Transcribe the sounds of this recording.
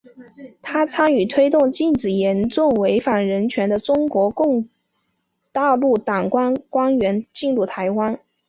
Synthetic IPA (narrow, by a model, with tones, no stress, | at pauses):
t̪ʰa˥t͡sʰa˥ny˨˩t̪ʰwe˥ɪt̪ʊ˥˧ŋt͡ɕi˥˩nʈ͡ʂɻ̩˨˩jɛ˧˥nʈ͡ʂʊ˥˩ŋwe˧˥ɪfa˨˩nɻə˧˥nt͡ɕʰɥɛ˧˥nd̪ə˧ʈ͡ʂʊ˥ŋkwɔ˧˥kʊ˥˧ŋ | t̪a˥˧lu˥˩t̪ɑ˨˩ŋkwa˥nkwa˥nɥɛ˧˥nt͡ɕi˥˧nɻu˥˩t̪ʰa˧˥ɪwa˥n